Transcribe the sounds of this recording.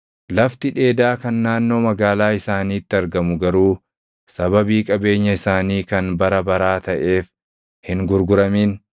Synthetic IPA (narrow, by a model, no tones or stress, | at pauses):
lɐft̪ɪᶑe̞ːd̪aːkɐnːaːnːo̞ːmɐɡaːlaːɪsaːniːɪt̪ːɪɐɾɡɐmʊɡɐɾuː | sɐbɐbiːkʼɐbe̞ːɲːɐɪsaːniːkɐnbɐɾɐbɐɾaːt̪ɐʔe̞ːf | hɪŋɡʊɾɡʊɾɐmiːn